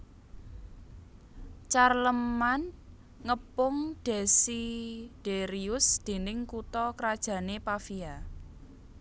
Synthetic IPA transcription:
t͡ʃarləman | ŋəpʊŋɖ̥e̤sid̥eɾiʊsd̪̥e̤nɪŋkut̪ɔkəɾad̥ʒ̥ä̤nepafia

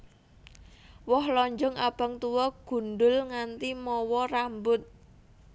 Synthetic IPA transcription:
wɔhlɔɲd͡ʒɔŋab̥a̤ŋt̪uwɔɡ̥ṳnɖʊlŋant̪imɔwɔrambʊt̪̚

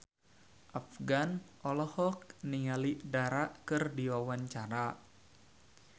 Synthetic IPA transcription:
ʔafɡanʔɔlɔhɔk̚niŋaliʔdaɾaʔkɨrdiwawaɲt͡ʃaɾa

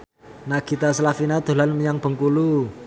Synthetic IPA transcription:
naɡ̥it̪asəlafinad̪̥o̤lanməɲaŋb̥ə̤ŋkulu

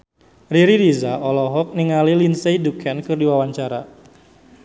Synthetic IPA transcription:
riɾiɾizaɔlɔɦɔk̚niŋalilinsejdukʰɛnkɨrdiwawaɲt͡ʃaɾa̰

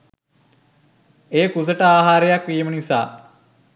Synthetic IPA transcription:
eːkusəʈəaːɦaːɾejakʋiːmənisa̰ː

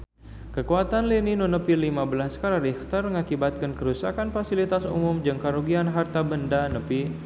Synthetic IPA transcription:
kəkuat̪anlininonəpilimabəlaskaɾaɾixt̪arməŋakibat̪̚kənkəɾusakanfasilit̪asṵmʊmd͡ʒəŋkaɾoɡianɦart̪abəndanəpi

